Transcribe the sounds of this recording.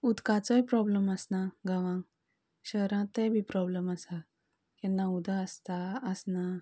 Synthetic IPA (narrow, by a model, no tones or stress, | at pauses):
ud̪kat͡sɔjpɾɔbləməsnaɡaʋãŋ | ɕəɾãt̪ɛ̃bʱipɾɔbləməsa | kɛ̃nːaud̪aəst̪aəsna